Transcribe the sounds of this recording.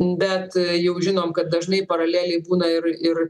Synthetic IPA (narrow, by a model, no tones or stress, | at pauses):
bʲɛt̪jɛʊʒʲɪnoːmkɐt̪̚d̪ɐʒnɐɪpɐɾɐlʲæːlʲɛɪbuːnɐɪrɪr